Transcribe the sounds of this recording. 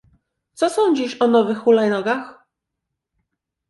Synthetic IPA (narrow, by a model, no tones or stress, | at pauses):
t̪sɔsɔɲd͡ʑiʃɔnɔvɘxulajnɔɡax